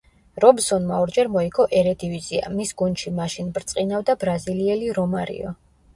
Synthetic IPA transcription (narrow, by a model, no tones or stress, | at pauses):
ɾɔbsɔnmaɔɾd͡ʒɛɾmɔikʰɔʔɛɾɛd̪ivid̪zia̰misɡund̪ʃimaʃinbɾt̪sʼqʼinavd̪abɾaziliɛliɾɔmaɾḭɔ̰